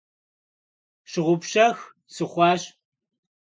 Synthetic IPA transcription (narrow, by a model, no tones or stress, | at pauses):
ɕɨʁʷʊpɕɐx | sɨχʷɑːɕ